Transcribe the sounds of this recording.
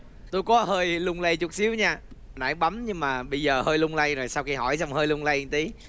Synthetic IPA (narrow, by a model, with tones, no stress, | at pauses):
t̪o˧jkɔ˨˦həː˧jlʊ˧ŋ͡mlə˧jt͡ɕʊ˨˩˥t̚si˨˦əwɲaː˧na̰ː˧˩˦jɓa˨˦mɲɨ˧ŋmaː˨˩ɓə˧jzəː˨˩həː˧jlʊ˧ŋ͡mlə˧jɾo˨˩jsa˧wxi˧ɦɔ˧˩jt͡ɕa˧wŋ͡mhəː˧jlʊ˧ŋ͡mla˧jt̪i˨˦